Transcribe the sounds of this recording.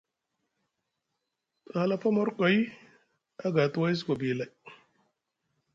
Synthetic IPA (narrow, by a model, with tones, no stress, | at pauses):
ha˨la˦fa˦ma˦ɾko˨i˦ | a˦ɡa˨tu˦wa˦s̬i˦ko˨bi˨la˨j